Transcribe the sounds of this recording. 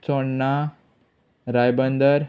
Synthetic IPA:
t͡sɔɳːa | ɾajbənd̪əɾ

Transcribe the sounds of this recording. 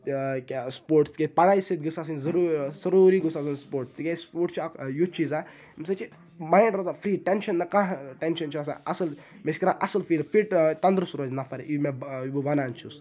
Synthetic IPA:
kspoːɾʈst̪i̥kʲepɐɽaːjsɨt̪̚ɡɨsaːs̬ɨnzɐɾusɐɾuːɾiɡusaːsunspoːɾʈst̪ikʲespoːɾʈt͡ʃʰijut͡ʃʰiːzaː | misɐt͡ʃi | maːjɳɖɾɐzãfɾiːʈenʃɐnːɐkãɦʈenʃɐnt͡ʃʰiɾas̬ã̰ɐsəl | meskiɾãːʔɐsəlfiːlfiʈt̪ɐnd̪ɾsuɾoːzʲnɐfɐɾeʔimeibuʋɐnaːnt͡ʃʰus

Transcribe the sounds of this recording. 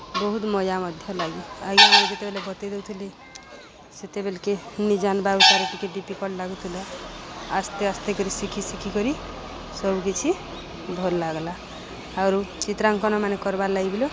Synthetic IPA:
bɔɦut̪mɔjamʌd̪ʱjʌlaɡiaɡimand͡ʒet̪ebelebʱɔt̪ed̪ewt̪ʰili | set̪ebelkenid͡ʒanbaut̪aɾepikeʈ̚ɖipikɔʈlaɡut̪ʰileast̪east̪ekɔɾisikʰisikʰikɔɾi | sɔbkit͡ʃʰi | bʱolːaɡla | aɾut͡ʃit̪ɾaŋkɔnɔmanekɔɾbalaɡibilo

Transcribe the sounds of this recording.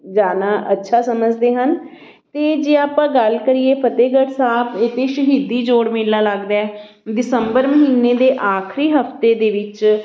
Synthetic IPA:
d͡ʒaːnaːʔətːʃʰaːsəməd͡ʒd̪eːɦən | t̪eːd͡ʒeːaːpãːɡəlkəɾiːeːpʰət̪eːɡəʈsaːbɪt̪eːʃəɦiːd̪iːd͡ʒoːɽmɪlːaːləɡd̪aːɛː | d̪ɪsəmbəɾməɦiːnːeːd̪eːʔaːkʰɾiːɦəpʰt̪eːd̪eːʋɪt͡ʃ

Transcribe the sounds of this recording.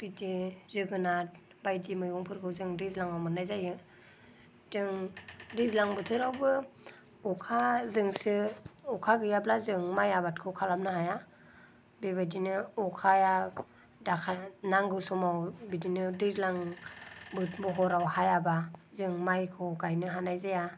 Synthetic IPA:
b̥idizɯɡɯnat̚ | bajdimɯjɔŋpʰɯɾkʰɯwzɯŋdɯzlaŋawmɯnajzajɯ | d̥ɯŋdɯzlaŋbɯtʰɯɾawbɯ | ɔkʰazɯŋsɯɔkʰaɡɯjablazɯŋmajabat̚kʰɯkʰalamnɯɦaja | beβajdinɯɔkʰaja | dakʰanaŋɡɯsɔmawbidinɯdɯzlaŋ | bɯt̚mɔɦɔɾawhajabazɯŋmajkʰɯɡajnɯɦanajzaja

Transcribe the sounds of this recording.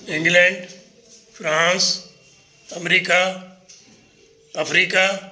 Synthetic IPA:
ɪ̃ŋɡlɛ̃ɳɖ | fɾãːns | ɐmɾiːka | pɐfɾiːka

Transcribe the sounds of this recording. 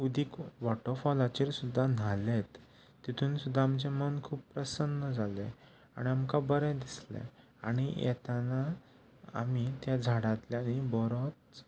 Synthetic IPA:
ud̪ʱikʋɔʈɔfɔlat͡ɕeɾsud̪ʱːan̤alet̪ː | it̪ʰuːnsud̪ʱːaːmd͡ʑemənkʰuːppːɾəsənːəd͡zʱalḛ | a̰ɽ̃iamkabəɾɛ̃d̪islḛ̃ | a̰ɽ̃ijɛ̰t̪ana | a̰mit̪jad͡zʱaɽãt̪ljanibɔɾot͡s

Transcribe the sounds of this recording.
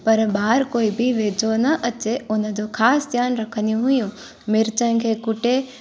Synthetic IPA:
pɐɾɓaːɾkoːibɪʋeːd͡ʑonɐʔɐt͡ɕeʊnə̆d͡ʑoxaːsd̪ʱjaːnɾɐkʰənijũɦʊjũ | mɪɾt͡ɕəñ̆kʰeːkʊʈe

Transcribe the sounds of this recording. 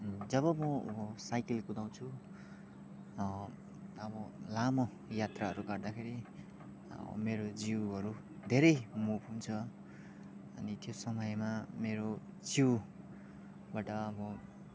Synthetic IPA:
d͡zʌβʌmʌsajkilkud̪aw̃t͡sʰu | ʌbʌlamo | jat̪raɦʌɾuɡʌrd̪akʰeɾḭ | meɾod͡ziwɦʌɾu | d̪ʱeɾʌjmupɦunt͡sʰʌ | ʌ̰nit̪josʌmʌjmameɾo | d͡ziw | baʈʌʌbʌ

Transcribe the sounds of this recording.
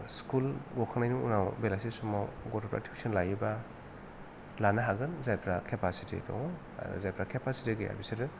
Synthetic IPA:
skulɡɔkʰanajnuŋṵnawbelasisumawɡɔtʰɔpɾa̰tʰi̥ksinlajiba | lanaɦaɡɯnzajpʰɾakʰepʰasitḭtɔ̰ŋ̰ | zajpʰɾakʰepʰasitiɡɯja̰bisiɾɯ

